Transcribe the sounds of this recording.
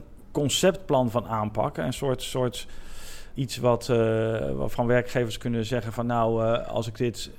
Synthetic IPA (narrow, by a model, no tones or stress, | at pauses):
kɔnsɛptplɑnvɑnaːnpɑ̰kə̰nsʊːɹtsʊːɹt | itsʋɑt | a̰fɑnʋɛɹkχejvəɹskɵnəzɛχənvɑnːawɑ̰lˠsɪɡdɪt